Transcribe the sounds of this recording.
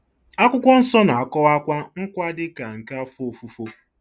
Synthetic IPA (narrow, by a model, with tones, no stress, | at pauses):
a˦kʷʊ˦kʷɔ˦n̩˦sɔ˦na˨a˨kɔ˦wa˦kʷa˦ŋ̩˦kʷa˦dɪ˦ka˨ŋ̩˨ka˦fo˨fu˨fo˦